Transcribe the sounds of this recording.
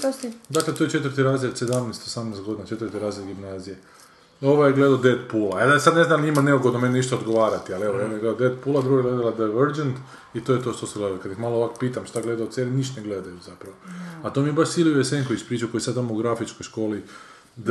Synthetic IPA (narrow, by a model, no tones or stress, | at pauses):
d̪aklet̪ojet͡ʃe̞t̪vəɾt̪iɾaːzjed̪se̞d̪amnest̪osamneːst̪ɡo̞d̪inat͡ʃe̞t̪vəɾt̪iɾaːzjad̪ɡimnaːzije | o̞ʋojeɡle̞d̪alod̪ed̪puːlaed̪sad̪ne̞znamɲimaneuɡod̪nomeneniʃt̪aod̪ɡoʋaːɾat̪ialeʋojed̪nojɡle̞d̪od̪ed̪puːlad̪ɾuɡaɡled̪alad̪ajʋeɾd͡ʒent̪ | it̪o̞ːjet̪o̞ʃt̪o̞seɡled̪alokad̪ixmaːlˠoʋaːkopiːt̪amʃt̪aɡle̞d̪aot̪seniniʃt̪neɡled̪ajuzapɾaʋoat̪omiebaʃsiliueseŋkoispɾiːt͡ʃakojsad̪amouɡɾafit͡ʃkojʃko̞ːli | d̪